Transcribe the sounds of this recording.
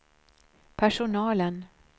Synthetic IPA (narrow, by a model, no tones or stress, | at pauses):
pʰæʂʊnɑːlən